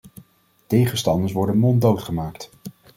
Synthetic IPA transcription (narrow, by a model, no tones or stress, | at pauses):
tejχənstɑndəɹs̬ʋɔɹdənmɔndowtχəmaːkt